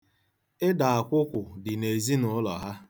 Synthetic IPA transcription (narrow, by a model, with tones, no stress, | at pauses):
ɪ˦da˨a˨kʷʊ˦kʷʊ˨dɪ˨ne˨zi˦nʊ˨˦lɔ̰˨ɦa˦